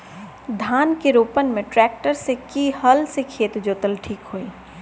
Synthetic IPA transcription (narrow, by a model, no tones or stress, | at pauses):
d̪ʱaːnkeɾoːpənmẽʈɾɛːk̚ʈəɾsekihəlsekʰeːt̪d͡ʒoːt̪əlʈʰiːkɦoːiː